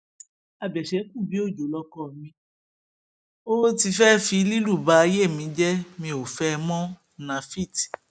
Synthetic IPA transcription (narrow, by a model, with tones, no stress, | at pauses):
a˧bɛ˨ʃɛ˨˦kũ˦˨bi˨˦o˦˨d͡ʒo˨lɔ˧kɔ˦˨nĩ˧˦ | o˦ti˧fɛ˦fi˧˦li˦lu˦˨ba˨˦˧je˦˨mĩ˨˦d͡ʒɛ˦mĩ˧o˨fɛ˦˧mɔ̃˦ | nã˧fi˦˨ti̥˨